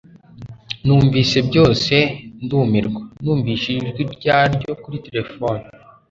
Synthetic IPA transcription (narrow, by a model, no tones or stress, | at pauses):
nuːɱviːse̞bjo̞ːse̞nduːmiɾɡwanuːɱviːʃiiʒɡiɾɟaːɾɟo̞kuɾite̞ɾe̞foni